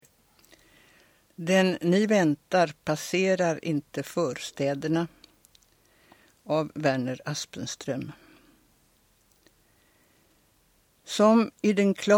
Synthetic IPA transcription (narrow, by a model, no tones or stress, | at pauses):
d̪ɛnːɪvɛnt̪aɾpʰaseːɾaɾɪnt̪əfœːɾst̪ɛːd̪əɳa | avvæɳəɾaspənst̪ɾœm | sɔmɪd̪ɛnkʰlɑ